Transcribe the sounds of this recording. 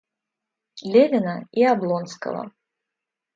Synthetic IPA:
lʲɛvʲɛnɐiablˠɔnskɐ̰lˠɐ̰

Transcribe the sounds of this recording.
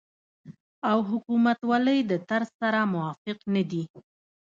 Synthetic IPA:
awɦʊkumat̪waləjd̪ət̪aɾzsaɾamʊwɑfɪqnad̪i

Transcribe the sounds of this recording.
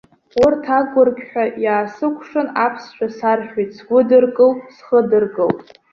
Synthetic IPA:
ʊrtʰaɡʷʊrɡʲħʷᶣajaːsɨkʷʰʂɨnapʰst͡ʃʷᶣasarχᶣisɡʷʊdɨrkʼɨlsχədɨrɡʼɨlpʼ

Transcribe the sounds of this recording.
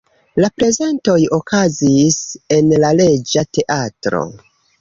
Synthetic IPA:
lapɾe̞ze̞nto̞jo̞kazise̞nlale̞d͡ʒate̞ʔatɾo̞̰

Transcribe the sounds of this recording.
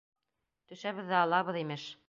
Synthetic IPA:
t̪ʉ̆ʃæβɘ̆ðːæɑlˠɑβɤ̆ðimɘʃ

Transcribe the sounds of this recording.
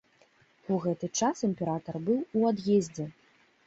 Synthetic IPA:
uɣɛt̪ɨt͡ʂasɨmʲpʲɛɾat̪ɐrbɨwuad̪jezʲd͡zʲɛ

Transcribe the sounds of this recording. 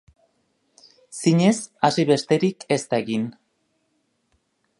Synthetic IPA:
siɲe̞sasiβe̞st̪e̞ɾike̞st̪aeɣin

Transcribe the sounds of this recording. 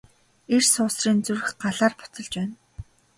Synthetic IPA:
ersʊːsriːnt͡surxɢaɮaːrpʊ̥t͡s̪ɞ̆ɮt͡ɕpæːn

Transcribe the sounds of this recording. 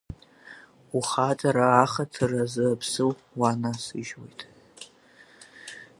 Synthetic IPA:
uχat͡sʼaɾaːχatʰɨrazɨpʰsɨw | wanasɨʒwo̰jtʼ

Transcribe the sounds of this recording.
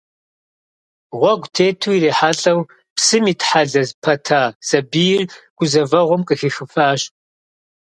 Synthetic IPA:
ʁʷɔɡʷtʰeːtʰuireːħaːɬʼɐw | psɨmiːtħaɮɐzpʰɐtʰaːsɐbijɪrɡ̥ʷʊzɐvɐʁʷʊmkʼɨxixɨfaːɕ

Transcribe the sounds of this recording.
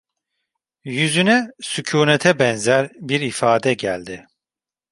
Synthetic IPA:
jyzynɛsycʰuːnet̪ʰɛbɛnzæɾbiɾifaːd̪ɛɟælʲd̪ɪ

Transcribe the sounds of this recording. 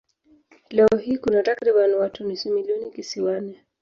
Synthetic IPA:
lɛɔɦikunatakɾiɓanwatunisimiliɔnikisiwanɛ

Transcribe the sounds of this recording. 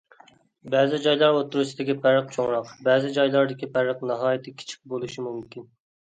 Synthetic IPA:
bɛːzɪd͡ʒɑjlˠɑɾot̪ːuɾusɪd̪ɪkʲipʰæɾəq̚t͡ʃʰoŋɾɑqbɛːzɪd͡ʒɑjlˠɑɾd̪ɪkʲipæɾəqnɑɦɑːjit̪ʰɪkʲʰi̥t͡ʃʰi̥k̚ʲbolˠuʃimumkʲin

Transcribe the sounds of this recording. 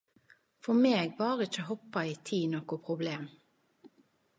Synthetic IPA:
fɔmeːɡbɑːʁɪt͡ʃːəhɔpːɑiːt̪ʰiːnɔːkʊpʰʁʊbleːm

